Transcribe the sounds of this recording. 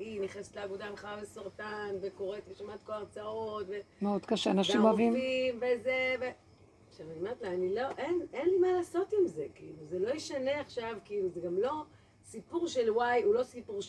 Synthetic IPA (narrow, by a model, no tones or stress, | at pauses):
iniχnese̥tleavod̪amχaavesaʁtanveko̞ʁetleʃamat̪̚kolaʁt͡saoo̞tve̞meod̪kaʃeanaʃimavimimvezeve | ʃavanmet̪laanilo̞ʔenenlimalaːso̞timzekiiluzelo̞jiʃane̞aχʃavkiiluzeɡamlo̞ | sipuʁʃelwajulo̞sipuʁʃ